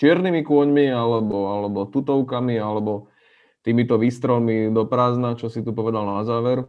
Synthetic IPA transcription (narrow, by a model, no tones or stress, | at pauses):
t͡ʃɪɛɾnimikʊɔɲmialɛbɔalɛbɔt̪ut̪ɔʊkamialɛbɔ | t̪iːmit̪ɔʋiːst̪ɾɛlmid̪ɔpɾaːznat͡ʃɔsit̪upɔʋɛd̪alnazaːʋɛɾ